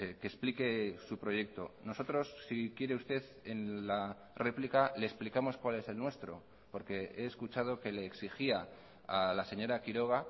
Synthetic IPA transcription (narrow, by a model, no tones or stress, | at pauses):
keːsplike̞supɾo̞je̞k̚t̪o̞no̞so̞t̪ɾo̞sːikje̞ɾe̞ust̪e̞ð | enla | re̞plikale̞ːsplikamo̞skwale̞se̞lnwe̞st̪ɾo̞ | po̞ɾke̞e̞ːskut͡ʃað̞o̞ke̞le̞ːksixia | alase̞ɲo̞ɾakiɾo̞ɣ̞a